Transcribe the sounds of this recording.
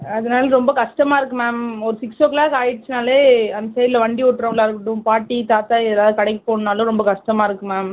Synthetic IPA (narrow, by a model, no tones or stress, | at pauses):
ɐðɐnaːlɐɾɔmbɐkɐʂʈɐmaːɪɾɯkːɯmaːmɔɾɯsɪksoːklaːkaːjɪɽt͡ʃːɯnaːleːɐnd̪ɐsɛjɾɪlɐʋɐɳɖiɔʈːɾɐlaːɾɯkːʈːʊ̃paːʈːit̪aːt̪aːɪðɐɾaːðɯkɐɽɐɪkːɯpoːɳnaːlʊ̃ɾɔmbɐkɐʂʈɐmaːɪɾɯkːɯmaːm